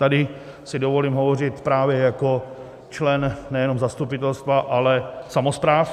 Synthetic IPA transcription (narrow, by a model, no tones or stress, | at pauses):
t̪adɪ | sɪdovo̞liːmɦovorɪt̪pɾaːvjɛjako | t͡ʃlɛnnɛjɛnomzast̪upɪt̪ɛlst̪vaʔalɛsamospɾaːf